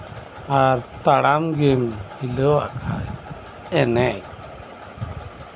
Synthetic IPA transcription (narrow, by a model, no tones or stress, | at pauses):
aɾt̪aɽamɡimhilɔa̰kʰa̰j | ɛnɛj